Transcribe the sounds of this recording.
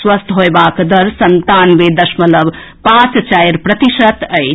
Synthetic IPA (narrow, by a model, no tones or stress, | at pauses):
swəst̪ʰɦoebakd̪əɾsənt̪anbed̪əsmələb | pãt͡st͡ʃajɾpɾət̪iʃət̪əɪ